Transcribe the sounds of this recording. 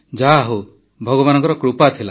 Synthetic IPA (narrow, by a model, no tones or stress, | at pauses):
d͡ʒaɦo | bʱɔɡɔbanɔŋk̬ɔɾɔkɾupat̪ʰila